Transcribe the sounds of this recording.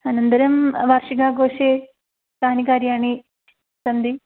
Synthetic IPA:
ɐnɐnd̪ɐɾɐmʋaːrʂiɡaːɡoːʂe | t̪aːnikaːɾjaːɳi | sɐnd̪i

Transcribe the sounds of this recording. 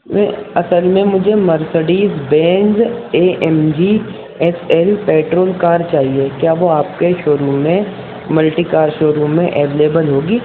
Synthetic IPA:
mɛ̰̃ɐsəlmẽmʊd͡ʒʱemɐɾsəɽiːzbɛ̃ːnd͡ʒeːʔɛmd͡ʒi | ɛsɛlpeːʈɾoːlkaːɾt͡ʃaːɦiekjaːʋoaːp̚keʃʊɾumẽ | mɐlʈiːkaːɾʃoːɾumẽʔɛːʋeːleːbəlɦoːɡiː

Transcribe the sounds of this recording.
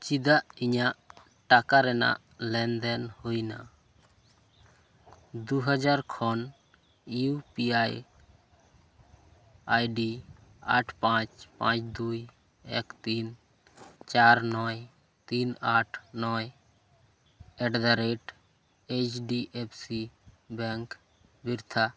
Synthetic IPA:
t͡ʃid̪aʔiɲaʔ | ʈakaɾɛna̰ʔ | lɛnd̪ɛnhujna̰ | d̪uɦəd͡ʒaɾkʰɔn | iupiaj | ajɖi | a̰ʈʰpãt͡ʃpã̰t͡ʃd̪uj | ḛkt̪iːn | t͡ʃaɾnɔj | t̪iːnaːʈʰnɔːj | ɛɖd̪aɾeʈ | et͡ʃɖiʔepʰsi | bɛ̃ŋk | biɾt̪ʰa

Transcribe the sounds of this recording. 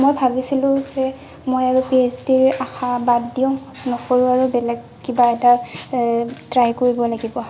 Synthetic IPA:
mojbʱabisilʊ̃zɛ | mojaɹupesdiɹaxabadːiɔ | nɔxoɹuaɹubɛlɛɡ | kibaɛta | tɹajkoɹibɔlaɡibɔ

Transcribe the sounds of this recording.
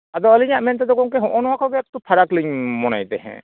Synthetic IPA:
ad̪ɔəliɲaʔmɛnt̪̬ɛd̪ɔɡɔŋkɛɦɔ̃ʔɔnɔwakɔɡɛk̚t̪ɔpʰaɾakliɲmɔna̰jt̪ɛɦɛ̰̃

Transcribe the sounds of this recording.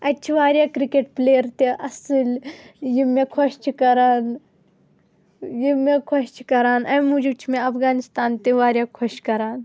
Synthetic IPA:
ɐt͡ʃʰiʋaːɾʲjaːkɾikeʈ̚pleːəɾt̪eʔɐsɨljimekʰɔʃt͡ʃʰikɐɾaːn | jimekʰɔʃt͡ʃʰi̥kɐɾaːnɐ̃mũd͡ʒut͡ʃʰmẽɐpʰɡaːnist̪aːnt̪eʋaːɾʲjaːkʰɔʃkɐɾaːn

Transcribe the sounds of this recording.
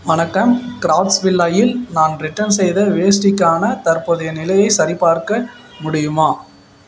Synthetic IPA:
ʋɐnɐkːɐmkɪɾaːʈsʋɪlːaːjɪlnaːnɾɪʈːɐnsɛjðɐʋeːs̬ʈɪkːaːnɐt̪ɐɾpoːðɐjɐnɪlɐjɐɪsɐɾɪpːaːɾkɐ | mʊɽɪjɯmaː

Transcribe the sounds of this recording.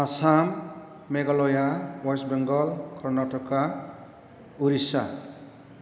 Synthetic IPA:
asamː | eɡalɔjawasbeŋɡʌlkʰʌrnaʈɔka | uɾisa̰

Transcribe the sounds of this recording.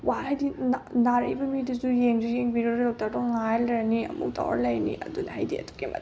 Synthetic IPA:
wahajdinanaɾɐjbɐmiduzujeŋd͡ʒijeŋbiɾoɾlow̚taɾdɔŋajlɾɐniɐ̰mṵk̚tʰa̰w̰ɾɐlɐjnḭʔɐdunɐɦajdiɐ̰tu̥kimɐ̰t

